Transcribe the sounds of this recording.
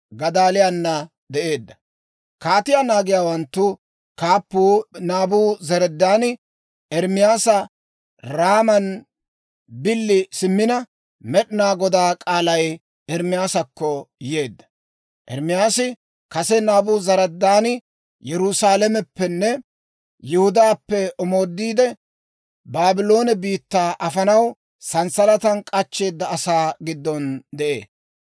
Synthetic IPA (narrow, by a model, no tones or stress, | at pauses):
ɡɐd̪aːlɪjanːɐ | d̪ɛʔe̞ːd̪ːɐ̥ | kaːt̪ɪjaːnaːɡɪjaːwɐnt̪ːʊ | kaːpːuːnaːbuːzɐɾɛd̪ːaːnɪ | ɛɾmɪjaːsɐ | ɾaːmɐn | bɪlːɪsɪmːɪnɐ | mɛɗɪnaːɡɔd̪aːkʼaːlɐj | ɛɾmɪjaːsɐkːɔje̞ːd̪ːɐ̥ | ʔɛɾmɪjaːsɪ | kɐsɛnaːbʊzɐɾɐd̪ːaːnɪ | jɛɾʊsaːlɛmɛpːɛnːɛ | jɪhʊd̪aːpːɛɔmo̞ːd̪ːiːd̪ɛ | baːbɪlo̞ːnɛbiːt̪ːaːʔɐfɐnɐw | sɐnsɐlɐt̪ɐnkʼɐt͡ʃːe̞ːd̪ːɐːsaːɡɪd̪ːɔnd̪ɛʔḛːs